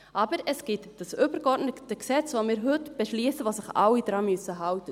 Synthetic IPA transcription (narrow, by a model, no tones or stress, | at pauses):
ʔɑbəɾɛsɡ̥ɪtd̥ɑsʏbəɾkɔɾdnətəksɛt͡sʋomɪːɾɦɵtb̥ɛʃliəsəʋoːsɪχɑ̰wid̥ɾɑːmøsəɦɑwtə